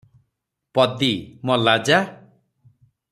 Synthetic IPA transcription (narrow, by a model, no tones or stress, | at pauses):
pɔd̪imɔlad͡ʒa